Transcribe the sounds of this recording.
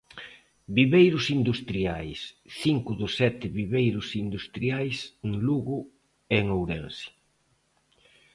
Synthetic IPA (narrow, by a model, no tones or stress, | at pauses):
biβejɾʊsind̪ust̪ɾiajsθiŋkʊðʊsɛt̪ɪβiβejɾʊsind̪ust̪ɾiajseŋluɣʊ | eŋowɾɛnsi̥